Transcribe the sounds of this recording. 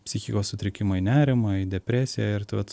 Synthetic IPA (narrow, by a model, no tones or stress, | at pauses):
pʲsʲɪxʲikoːssʊt̪ʲɾʲɪkʲɪmɐɪnʲæːɾʲɪmɐɪd̪ʲɛpʲɾʲæːsʲɪjæɪɾt̪ɪʋɐt̪